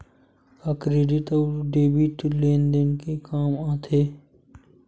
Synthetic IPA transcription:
akɾeːɖɪʈəɖeːbɪʈleːnd̪ɪnkekaːmaːt̪ʰeː

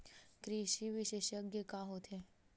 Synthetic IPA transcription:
kɾiʃiʋɪʃeːʃjəɡjəkaɦot̪ʰe

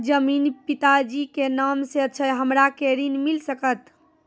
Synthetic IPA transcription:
d͡ʒəminpit̪ad͡ʒikenamseətːt͡ʃʰəɦəmɾakeɾinmilsəkət̪

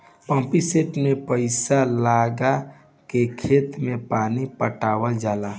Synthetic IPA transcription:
pə̃mpiseʈmepəɪsalaɡa | kekʰeːt̪mẽpaːnipəʈaːwəld͡ʒaːla

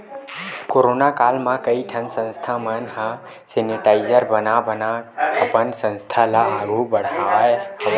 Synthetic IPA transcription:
koɾonakalmãkəiʈʰənsə̃nst̪ʰamənhə̃ | seniʈaɪzəɾbənabənaəpənsə̃nst̪ʰalaːɡobəɽ̤aehə

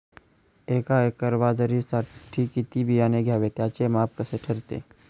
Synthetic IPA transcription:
eːkaːekɐɾʋaːzəɾisaʈʰːikit̪ibʱijaːneɡʱjaːʋet̪jaːt͡ʃemaːp̚kɐseʈʰɐɾt̪ḛː

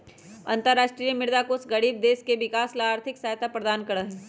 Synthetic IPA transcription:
ɐ̃nt̪əɾːaːʃʈɾijəmɪɾd̪akoːsɡɐɽiːb̚d̪eːʃkeʋɪkaːslaaːɾt̪ʰɪksaːjt̪apɾɐd̪aːnkɐɾəɦɛ̃

